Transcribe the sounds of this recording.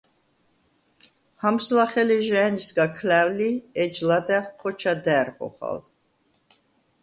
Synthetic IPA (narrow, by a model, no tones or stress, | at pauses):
hamslaχɛliʒanisɡakʰlæwliɛd͡ʒlad̪ɛχqʰːɔt͡ʃʰad̪ɛːɾʁɔ̰χa̰l